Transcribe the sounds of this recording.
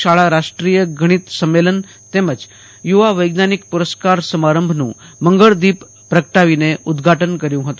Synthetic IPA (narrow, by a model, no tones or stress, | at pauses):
aɭaɾaʂʈɾijəɡʱəɽ̃iːt̪səmːelən | t̪eməd͡z | juʋaʋəjɡnanikpuɾəskaɾsəmaɾəmbʱnṵ̃ː | məŋɡəɭd̪iːpː | ɾəkəʈaʋineʔud̪ɡʱaʈənkəɾjũɦot̪o